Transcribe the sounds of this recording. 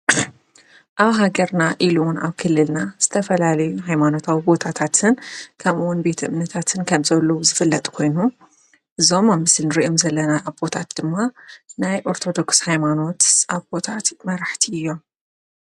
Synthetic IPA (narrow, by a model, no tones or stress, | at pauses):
ʔaβɦaɡɐɾnaʔilunaβkʰɨlːɨlnaz̥ɨt̪ʰɐfɐlalɐjuɦajmano̞t̪ʰawibo̞t̪ʰat̪ʰat̪ʰɨnkʰɐmuwnbe̞t̪ʰʔɨmnɐt̪ʰat̪ʰɨnkʰɐmzɐlːɐwuzɨfɨlːɐt̪ʼkʰo̞jnu | ʔɨzo̞mamɨslnɨɾiʔomzɐlːɐnaːβbo̞t̪ʰat̪̚d̪̥ɨmːanajʔo̞ɾt̪ʰo̞d̪o̞kshajmano̞t̪ʔaβbo̞t̪ʰat̪mɐɾaħt̪ʰiɨjːo̞m